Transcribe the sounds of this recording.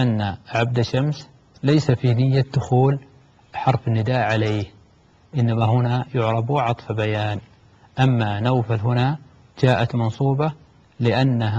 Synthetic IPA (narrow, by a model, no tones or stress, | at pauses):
ʔanːaʕab̚d̪aʃːams | lajsafinɪjːad̪ʊxuːl | ħɑɾˤfɪnːɪd̪aːʔʕaleːh | ʔɪnːamaɦʊnajʊʕɾˤɑbuːʕɑt̪ˤfabajaːn | ʔamːanawfalɦʊna | d͡ʒaːʔat̪mɑnsˤuːbɑ | lɪʔanːa